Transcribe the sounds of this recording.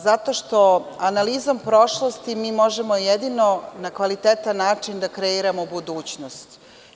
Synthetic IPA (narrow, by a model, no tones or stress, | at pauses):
zat̪o̞ʃt̪o̞analizompɾo̞ʃlˠost̪imiːmo̞ʒemo̞jed̪ino̞nakʋalit̪eːt̪anːaːt͡ʂind̪akɾeiɾamobud̪uːt͡ɕnost̪